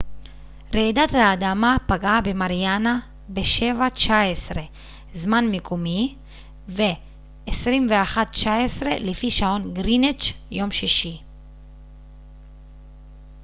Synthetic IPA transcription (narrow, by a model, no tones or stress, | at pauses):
ɾed̪at̪haːd̪amapaɡaːbemaɾijana | beʃevat͡ʃaesɾe | zmanmikʰumi | veː | sɾimveaχat̪t͡ʃaesɾelifiʃaonɡɾinet͡ʃjomʃiʃi